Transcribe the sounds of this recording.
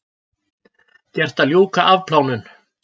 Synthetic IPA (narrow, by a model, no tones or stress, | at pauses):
cɛr̥t̪aljoːwkaʔavpʰlaːwnʏn